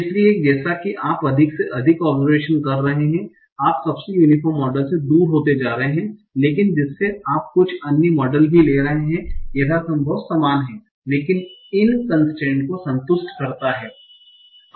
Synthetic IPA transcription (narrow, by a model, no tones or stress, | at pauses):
ɪslieːd͡ʒɛːsakiʔaːpɐd̪ʱɪkseʔɐd̪ʱɪkɔːbzəɾʋeːʃənkɐɾːɐɦeɦɛ̃ | aːpsɐbsejuːnɪfʰɔːɾmːɔːɖəlsed̪uːɾɦoːt̪ed͡ʒaːɾɐɦeɦɛ̃leːkɪnd͡ʒɪsːeaːp̚kʊt͡ʃʰɐnjimɔːɖəlbʱileːɾɐɦeɦɛ̃jɐɦasɐ̃mbʱəʋt̪saːmaːnɦɛ̃ː | leːkɪnɪnkɐ̃nsʈẽːɳʈkosɐ̃nt̪ʊʃʈkɐɾt̪aɦɛː